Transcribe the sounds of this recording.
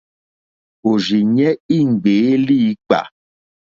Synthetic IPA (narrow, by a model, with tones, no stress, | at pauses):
o˨zi˨ɲɛ˦i˦ŋ̩˨ɡ͡be˨˦li˦k͡pa̰˨